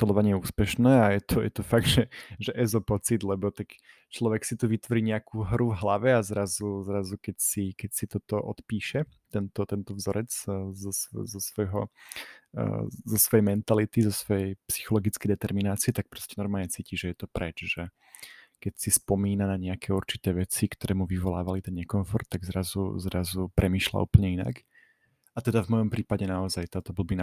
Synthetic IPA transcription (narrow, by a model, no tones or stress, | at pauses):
t̪ɔlɔʋaɲɪɛjɛuːspɛʃnɛːajɛt̪ɔjɛ̰t̪ɔfaɡ̚d̪ʒɛʒɛʔɛzɔpɔt͡sid̪lɛbɔt̪akt͡ʃlɔʋɛksit̪uʋit̪ʋɔɾiːɲɛakʰuːɦɾuvɦlaʋɛazɾazuzɾazukɛcsikɛcsit̪ɔt̪ɔʔɔ̰t̪piːʃɛt̪ɛnt̪ɔt̪ɛnt̪ɔvzɔɾɛt͡szɔszɔsʋɔjɦɔ | zɔsʋɔjɛjmɛnt̪alit̪izɔsʋɔjɛjpsi̥xɔlɔɡit͡skɛjd̪ɛt̪ɛɾminaːt͡siɛt̪ak̚pɾɔscɛnɔɾmaːlɲɛt͡siːciʒɛjɛt̪ɔpɾɛt͡ʃʒɛ | kɛcsispɔmiːnanaɲɛakɛːuɾt͡ʃi̥t̪ɛːʋɛt͡sikt̪ɔɾʔɛːmuʋiʋɔla̰ːʋalit̪ɛnɲɛkɔɱfɔɾt̪̚ːaɡzɾazṵzɾazupɾɛmiːʃla̰ṵːpl̩ɲɛina̰k | at̪ɛd̪avmɔjɔmpɾiːpaɟɛnaɔzajt̪aːt̪ɔbl̩bin